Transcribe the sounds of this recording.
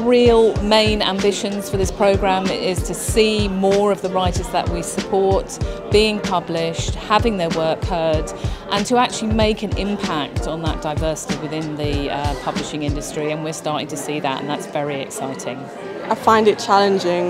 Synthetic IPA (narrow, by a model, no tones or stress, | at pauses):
ɹilˠmẽɪ̃nã̰mbɪʃə̃nz̥fə˞ðɪspʰɹ̥əʊɡɹãmɪz̥tʰəsiːmɔːɹəvðəɹaɪtəzðə̰ʔwisəpʰɔɹtb̥iːɪ̃ŋpʰʌblɪʃthavɪ̃ŋðəwɜˑ˞khɜ˞dʔə̃ntʰəak̚t͡ʃəlimeɪkɨ̃nɪ̰̃mpʰak̚tn̩ðə̰ʔ̚d̥aɪvɜˑsɪ̥tiwɪðɪ̃nðɨʌpʰʌblɪʃɪ̃ŋɪ̃ndəstɹ̥iə̃nwɪəɹstɑːˑɾɪ̃ŋtʰəsiːðə̰tə̰̃nðatsv̥ɛɹiɛ̰ksaɪtʰɪ̃ŋ | ʔaɪfãɪ̃ndɪt̚t͡ʃʰalɪ̃nd͡ʒɪ̃ŋ